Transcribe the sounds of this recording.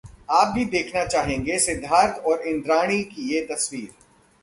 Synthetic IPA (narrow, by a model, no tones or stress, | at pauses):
aːp̚bʱid̪eːkʰnat͡ʃaːɦẽːŋɡesɪd̪ʱːaːɾt̪ʰɔːɾɪ̃nd̪ɾaːɽ̃ikijet̪ɐswiːɾ